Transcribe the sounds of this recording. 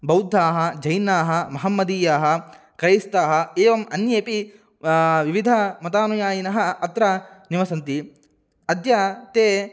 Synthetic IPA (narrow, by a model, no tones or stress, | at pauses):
bɐwd̪ʱːaːɦɐ̆d͡ʒɐjnaːɦɐ̆mɐɦɐmːɐd̪iːjaːɦɐ̆ | kɾɐjist̪aːɦɐ̆eːʋɐmɐnjeːpi | ʋiʋid̪ʱɐmɐt̪aːnujaːjinɐɦɐ̆ɐt̪ɾɐniʋɐsɐnt̪i | ɐd̪jɐt̪eː